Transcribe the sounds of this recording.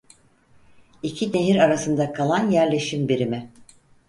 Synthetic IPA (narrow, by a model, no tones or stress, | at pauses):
icʰine̞ɦiɾaɾasɯnd̪akʰalˠanjæɾlʲe̞ʃimbiɾimɪ